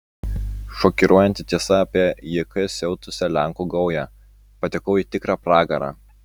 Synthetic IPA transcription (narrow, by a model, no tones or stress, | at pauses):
ʃɔkʲɪɾʔuɔjɛnt̪ʲɪt̪ʲiɛsɐɐpʲiɛjikɐsʲɛʊt̪ʊsʲɛlʲæˑŋkuɡɐʊjæː | pɐt̪ʲɪkɐʊiːt̪ʲɪkɾɑːpɾɑːɡɐɾɑ̰ː